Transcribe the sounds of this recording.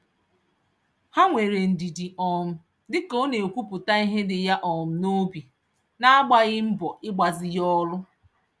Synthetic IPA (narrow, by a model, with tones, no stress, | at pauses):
ha˦ŋʷe˨ɾe˨n̩˨di˨di˨ʔɔ˨m̩˨ | dɪ˦ko˦ne˨kʷu˦pʊ˨ta˦i˦ɦe˦dɪ˨ja˦ʔɔ˨m̩˦no˦bi˨ | na˦a˦ɡ͡ba˦ɣɪ˦m̩˦bɔ˨ʔɪ˦ɡ͡ba˨zɪ˨jɔ˦lʊ˦